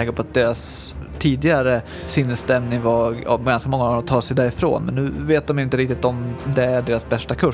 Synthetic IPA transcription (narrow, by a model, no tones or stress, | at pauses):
ɛːkəɾpʰɔat̪̚d̪eːɾas | t̪ʰiːd̪ɪɡaɾə | sɪnːəst̪ɛmnɪŋva̰ɡanskamɔŋːaɔmt̪ʰɑːʂɛjd̪æːɾɪfɾo̰ːnmɛnːʉ̟ːveːt̪̚d̪ɔmjɪnt̪əɾɪk̚t̪ɪt̪ɔmd̪ɛæɖeːɾasbɛʂʈakʰɵ